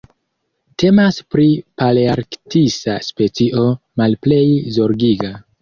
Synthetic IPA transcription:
te̞maspɾipaleaɾktisa̰spe̞t͡siʔo̞ | malple̞jzo̞ɾɡiɡa

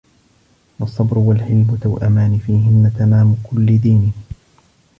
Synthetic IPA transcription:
wɑsˤːɑbɾʊwalħɪlbʊt̪awʔamaːnɪfiːɦɪnːat̪amaːmʊkʊlːɪd̪iːnɪh

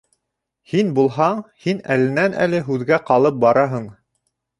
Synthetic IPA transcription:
hinbulˠɦɑɴhinælɘ̆nænʔæ̰lɘɦʉðɡæqɑlˠɤp̚bɑɾɑɦɤɴ

